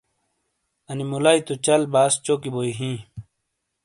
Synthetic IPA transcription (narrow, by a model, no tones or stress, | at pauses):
ɐnimulajt̪ut͡ɕɐlbaːst͡ɕokiboiɦĩː